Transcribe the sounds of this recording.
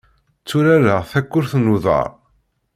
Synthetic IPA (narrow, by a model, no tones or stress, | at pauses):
t͡sːʊɾaɾəʁθækʷːʊɾθnuðˤə̰ɾˤ